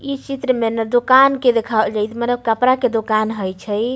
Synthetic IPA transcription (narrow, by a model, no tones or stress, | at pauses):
it͡ʃit̪ɾəmenəd̪okanked̪ekʰad͡ʒajt̪ʰmənəbkəpɾaked̪okanɦəjt͡ʃʰəj